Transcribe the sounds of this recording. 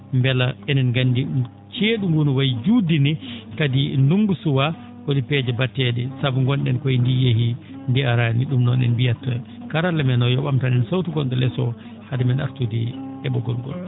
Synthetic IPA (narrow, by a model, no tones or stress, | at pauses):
mbɛlaɛnɛnɡandi | t͡ʃeːɗuŋɡunɔwajd͡ʒudinɛkadinduŋɡusuwa | ʔodipɛd͡ʒɛbatːɛɗɛsabuŋɡɔnɗɛnkɔjindijehi | ndɛaɾaniɗumnɔnɛ̰nbijatːa | kaɾalɛmɛnɔjɔɓamtanɛnsawtuɡɔnɗɔlɛsɔ | hadɛmɛna̰ɾtudiɛɓɔɡɔlɡɔ̰l